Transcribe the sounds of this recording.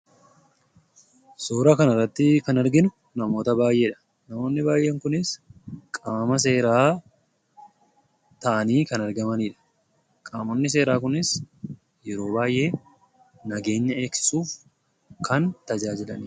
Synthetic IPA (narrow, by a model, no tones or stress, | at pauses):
soːɾɐkɐnɐrːɐt̪ːɪkɐnɐɾɡɪnʊ | nɐmo̞ːt̪ɐbaːjʔeːᶑɐ̥ | nɐmo̞ːnːɪbaːjʔeːŋkʊnɪskʼaːmɐs̬e̞ːɾaː | t̪ɐʔɐniːkɐnɐɾɡɐmɐniːᶑɐ̥ | kʼaːmonːɪs̬e̞ːɾaːk̬ʊnɪs | jɛɾo̞ːbaːjʔe̞ː | nɐɡe̞ːɲːɐe̞ːksɪ̥suːf | kʰɐnt̪ɐd͡ʒaːd͡ʒɪlɐniː